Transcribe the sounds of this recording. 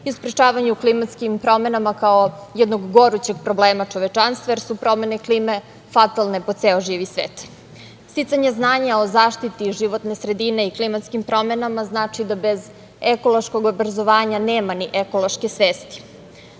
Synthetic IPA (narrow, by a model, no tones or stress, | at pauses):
iuspɾet͡ʃaːʋaɲuuklimat̪skimpɾo̞me̞namakaojed̪noɡɡo̞ɾut͡ɕeɡ̚pɾobleːmat͡ʃoʋet͡ʃanst̪vajeɾsupɾo̞me̞nekliːme̞ | fat̪alˠneposeoʒiːʋisʋḛːt̪ | st̪it̪saɲeznaːɲaozaːʃt̪it̪iʒiʋot̪nesɾe̞d̪ine̞iklimat̪skimpɾo̞me̞namaznaːt͡ʃid̪abe̞z | ekolˠo̞ʃko̞ɡobɾazo̞ʋaːɲaneːmaniʔekoloʃkesʋeːst̪i̥